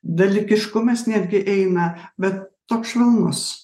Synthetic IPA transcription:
d̪ɐlʲɪkʲɪʃkʊmɐsnʲæːd̪ʲɡʲɪʔɛɪnɐbʲɛt̪ːoːksʃʃʲʋʲɪlˠnʊs

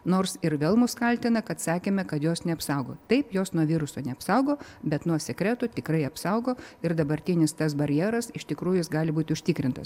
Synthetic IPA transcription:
noːrsɪɾʋʲeːlˠmʊskɐlʲt̪ʲɪnɐkɐt̪sɑːkʲeːmʲɛkɐt̪joːsnʲɛɐpsɐʊɡo̰ːt̪ɐɪpjoːsnuɔʋʲiːɾʊsoːnʲɛɐpsɐʊɡoːbʲɛt̪nuɔsʲɛkɾʲɛːt̪ʊt̪ʲɪkɾɐɪɐpsɐʊɡoːɪɾd̪ɐbɐɾʲt̪ʲinʲɪst̪ɐs̬bɐɾʲjɛːɾɐsɪʃt̪ʲɪkɾuːjʊjɪsɡɑːlʲɪbuːt̪ʲɪʊʃʲt̪ʲɪːkɾʲɪnt̪ɐ̰s

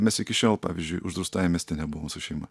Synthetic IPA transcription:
mʲɛsɪkʲɪʃʲoːlˠpɑ̰ːʋʲizʲd͡ʒʲʊjʔʊʒd̪ɾʊst̪ɑːjɛmʲɛːst̪ʲɪnʲɛbʊʋoːmsʊʃʲɛɪmɐ̰

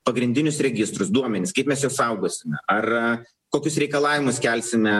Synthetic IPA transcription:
pɐɡɾʲɪnʲd̪ʲɪnʲʊsɾʲɛɡʲɪst̪ɾʊsd̪uɔmʲɛnʲɪskɐɪpmʲɛsjɛʊsɐʊɡoɔsʲɪmʲɛɐr | koːkʲʊsɾʲɛɪkɐlˠɑːʋʲɪmʊskʲɛlʲsʲɪmʲɛ

